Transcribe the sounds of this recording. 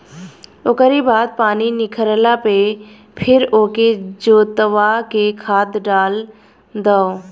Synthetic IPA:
oːkəɾibaːd̪̚paːninɪkʰəɾəlape | pʰɪɾoːked͡ʒoːt̪əʋakekʰaːd̪ɖaːl | d̪ao

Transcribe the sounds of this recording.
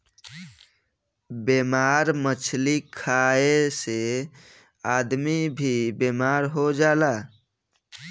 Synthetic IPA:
bemaɾmət͡ʃʰlikʰaese | aːd̪mibʱibemaːɾɦod͡ʒaːlaː

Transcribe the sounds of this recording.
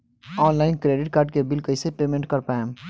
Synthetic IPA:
ɔːnlaːɪnkɾeːɖɪʈ̚kaːɾɖ̚kebɪlkəisepeːmẽɳʈ̚kəɾpaːem

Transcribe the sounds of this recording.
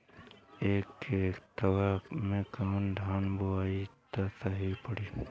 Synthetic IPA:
eːkeːkt̪ɐwamẽkaːnɖʱaːnboaːit̪asaɦipəɽiː

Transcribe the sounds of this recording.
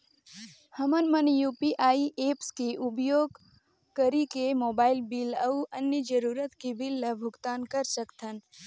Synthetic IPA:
həmənmənjuːpiʔaːiʔeːpskeʔʊbjoːɡ | kəɾikemoːbaːɪlbiləwɐnjəd͡ʒəɾuːɾət̪kibilːɐbʱʊɡt̪aːnkəɾsəkt̪ʰən

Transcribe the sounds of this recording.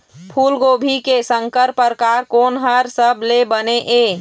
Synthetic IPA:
pʰuːlɡoːbʱikesə̃ŋkəɾpəɾkaɾkoːnɦəɾsəblebəneʔe

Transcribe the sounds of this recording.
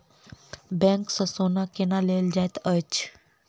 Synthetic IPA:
bɛ̃ŋksəsonakenaleld͡ʒajt̪ət͡ʃ

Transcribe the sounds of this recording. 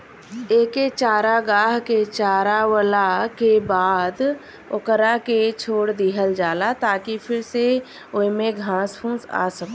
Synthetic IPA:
eːket͡ʃaːɾaɡaːɦket͡ʃaːɾawəlakebaːd̪ | ʊ̰kəɾaket͡ʃʰoːɽd̪iːɦəld͡ʒaːlat̪aːkipʰɪɾse | oːimẽɡʱãːspʰũːsa̰ːsəkː

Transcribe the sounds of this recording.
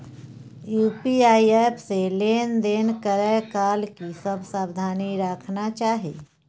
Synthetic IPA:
juːpiaːieːpʰseleːnd̪eːnkəɾəkaːlkisəbsaːbd̪ʱaːniɾaːkʰnat͡ʃaːɦeː

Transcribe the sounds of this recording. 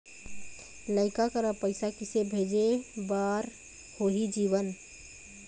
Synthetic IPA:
ləɪkakəɾapəɪsakɪsebʱeːd͡ʒebaːɾ | hoɦid͡ʒiːʋən

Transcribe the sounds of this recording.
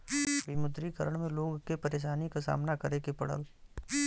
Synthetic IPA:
ʋɪmʊd̪ɾikəɾəɽ̃mẽloːɡkepɐɾeːʃ̬aːnikasa̰ːmnakɐɾekepɐɽə̰l

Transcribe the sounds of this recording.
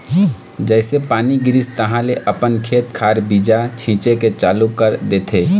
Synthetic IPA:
d͡ʒɛːsepaːniɡɪɾɪst̪əɦãleʔəpənkʰeːt̪kʰaːɾbiːd͡ʒat͡ʃʰĩːt͡ʃeket͡ʃaːlukəɾd̪eːt̪ʰeː

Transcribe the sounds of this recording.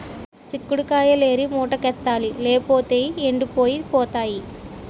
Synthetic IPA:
sikːuɽukaːjɐleːɾimoːʈɐkɛt̪ːaːlileːpoːt̪eːeɳɖɯpoːjipoːt̪aːji

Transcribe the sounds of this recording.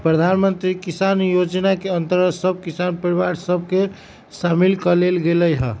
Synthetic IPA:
pɾəd̪ʱanmənt̪ɾikisanjod͡ʒnakeənt̪əɾəsəb̚ʱkisanpɾibaɾsəb̚ʱke | samilkəlelɡeləjɦə

